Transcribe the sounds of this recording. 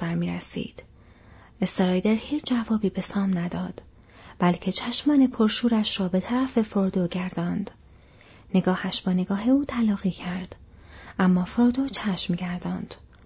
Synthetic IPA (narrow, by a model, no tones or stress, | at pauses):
æɾmiːɾesḭːd̪̥ | est̪eɾɒːjd̪eɾhiːt͡ʃʰd͡ʒævɒːbiːbe̞sɒːmnæd̪ɒːd̪̥ | b̥ælcʰe̞t͡ʃʰæʃmɒːnepʰoɾʃuːɾæʃrɒːbe̞t̪ʰæɾæfe̞foɾd̪oɟæɾd̪ɒːnd̪̥ | ne̞ɡɒːhæʃbɒːne̞ɡɒːɦe̞uːt̪ʰælɒːɣiːcʰæɾd̪̥ʔæmːɒːfɾoɾd̪ot͡ʃʰæʃmɟæɾd̪ɒːnd̪̥